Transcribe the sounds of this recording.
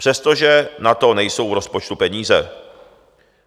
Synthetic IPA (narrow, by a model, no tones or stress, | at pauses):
pr̝̥ɛst̪oʒɛnat̪o̞nɛjso̞wvɾo̞spot͡ʃt̪upɛɲiːzɛ